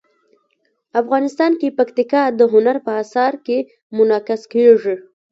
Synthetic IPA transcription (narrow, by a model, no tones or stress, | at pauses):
afɣɑnɪst̪ɑnkepakt̪ɪkɑd̪əɦʊnaɾpəasɑɾke | mʊnɑkɪskeʐi